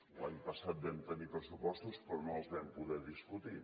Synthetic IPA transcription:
laɲpəsat̪̚bɛmt̪ənipɾəsupɔst̪uspɾɔnoəlˠzβɛmpuðɛðiskut̪i

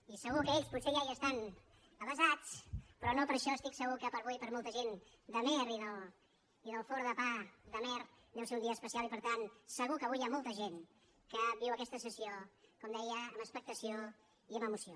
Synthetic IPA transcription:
isəɣ̞ukəeʎsputseʒaʒiəst̪an | əβəzat͡spɾɔnopəɾʃɔəst̪iksəɣukəpəɾβujpəɾmɔlˠt̪əʒen | d̪əmɛɾiðəlˠ | iðəlˠfɔɾðəpad̪əmɛr | d̪ɛwseund̪iəːspəsialipəɾt̪ansəɣ̞ukəβujamɔlˠt̪əʒen | kəβiwəkɛst̪əsəsiokɔmd̪ɛjəːmbəspək̚t̪əsio | iəməmusio

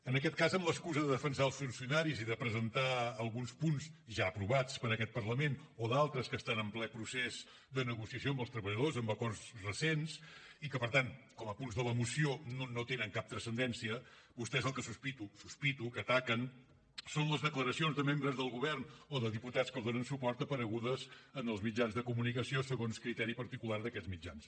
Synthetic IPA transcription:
ənəkɛt̪̚kazəmləskuzəðəðəfənsaəlˠsfunsiunaɾiziðəpɾəzənt̪aəlˠɣunspunzʒaəpɾuβat͡spəɾəkɛt̪̚pərləmenɔðalˠt̪ɾəskəst̪anəmplɛpɾusez̥ | d̪ənəɣusiəsioəmbəlˠst̪ɾəβəʎəðozəmbəkɔrsrəsensikəpəɾt̪ankɔməpunzðələmusiononot̪enəŋkap̚t̪ɾəsənd̪ɛnsiə | bust̪ɛezəlˠkəsuspit̪ususpit̪ukət̪akən | sonləzðəkləɾəsionzðəmembɾəzðəlˠɣuβɛrnoðəðiput̪askəlˠðonənsupɔrt̪əpəɾəɣuðəzənəlˠzmid͡ʒanzðəkumunikəsiosəɣonskɾit̪ɛɾipəɾt̪ikularðəkɛzmid͡ʒa̰ns

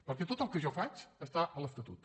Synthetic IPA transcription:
pəɾkɛt̪ot̪əlˠkəʒɔfat͡ʃəst̪aʔəlˠəft̪ət̪ṵt̪

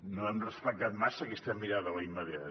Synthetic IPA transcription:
noɛmrəspək̚t̪at̪masəɐkɛst̪ɐmiɾaðɐlɐiməðia

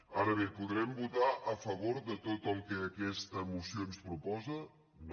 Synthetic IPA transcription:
aɾəβepuðɾɛmbut̪aʔəfəβ̞oɾðət̪ot̪əlˠkəːkɛst̪əmusionspɾupɔzə | n

